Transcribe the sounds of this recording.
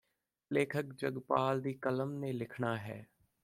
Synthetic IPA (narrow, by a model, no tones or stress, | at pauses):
leːkʰəkd͡ʒəɡpaːld̪iːkələmnẽːlɪkʰɳaːɦɛ̰ː